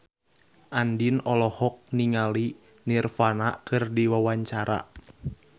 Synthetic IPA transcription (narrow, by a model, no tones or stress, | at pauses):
ʔandinɔlɔhɔk̚niŋali | nirfanakɨrdiwawaɲt͡ʃaɾa̰